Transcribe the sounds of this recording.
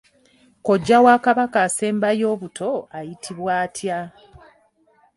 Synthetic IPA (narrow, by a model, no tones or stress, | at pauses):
ko̞ɟːawaːkaβakaːse̞ːmbajo̞ːβutʰo̞ajitʰiβwaːtʰja